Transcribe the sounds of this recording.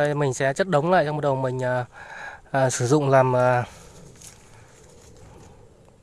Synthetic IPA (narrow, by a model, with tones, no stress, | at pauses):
mï˨˩ŋ̟sɛ̰˧˥t͡ɕə˦˥t̚ɗə˨˦wŋ͡mla̰ː˧˨ja˧ŋ͡mo˨˩t̚ɗə˨˩wmï˨˩ŋ̟ʔəː˨˩ʔːsɨ˧˩zʊ̰˧˨ŋ͡mlaː˨˩mʔəː˨˩